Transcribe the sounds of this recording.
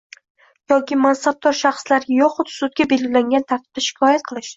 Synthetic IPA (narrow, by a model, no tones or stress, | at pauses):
jɒkʲɪmansab̚d̪ɒɾʃɑχslaɾjɒqʊt̪sʊd̪̚ɡʲabe̞lɡʲɪlaŋɡʲant̪ʰaɾt̪ʰɪb̥̚d̪aʃɪ̥kʰɒjat̪̚qʰɨlˠɪʃ